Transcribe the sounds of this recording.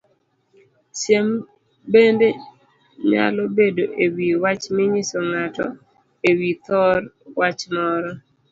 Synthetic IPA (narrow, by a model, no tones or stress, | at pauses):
ʃjem | bende | ɲa̰lɔbedoʔewiwat͡ʃmɪɲisɔŋatɔ̰ | ewit̪ɔɾwat͡ʃmɔɾɔ